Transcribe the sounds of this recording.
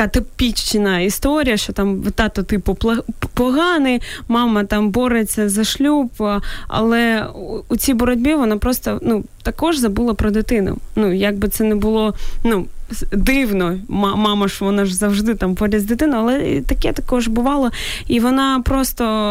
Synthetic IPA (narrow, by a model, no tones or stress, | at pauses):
at̪ɐpʲit͡ʃt͡ʃɪnɐist̪ɔɾʲijɐʃt͡ʃɔt̪ɑmʋt̪ɑt̪ɔt̪ɪpʊpˠpɔɦɑnɪmɑmɐt̪ɑmbɔɾet͡sʲːɐzɐʃlʲupɐ̰lˠɛut͡sʲijbɔɾɔdʲbʲiʋɔnapɾɔst̪ɔnut̪ɐkɔʒzɐbulˠɐpɾɔd̪ɪt̪ɪnʊ̰nujaɡ̚bɨt̪sɛnɛbʊlˠɔnud̪ɪwnɔmmɑmɐʒʋɔnaʒzɐwʒd̪ɪt̪ambɔɾʲɐzʲd̪ɪt̪ɪnʊɐlˠɛt̪ɐkɛt̪ɐkɔʒbʊʋɑlˠɔ | iʋɔnɑpɾɔst̪ɔ